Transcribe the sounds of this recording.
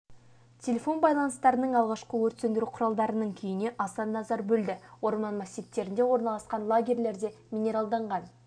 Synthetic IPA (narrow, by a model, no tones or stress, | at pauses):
t̪ʲʰe̞lʲe̞fo̞nbɑjlˠɑnəst̪ɑɾənəɴɑlˠʁɑʃqəwɵɾt̪send̪ɪɾuqʰʊɾɑlˠd̪ɑɾənəɴkʲʰʏjɪne̞ʔɑsɑnːɑzɑɾbɵld̪ɪwo̞ɾmɑnmasʲit̪ːe̞ɾɪnd̪e̞wo̞ɾnɑlˠɑsqɑnlˠoɡʲe̞ɾle̞ɾd̪e̞mʲinʲe̞ɾɑlˠd̪ɑɴʁɑn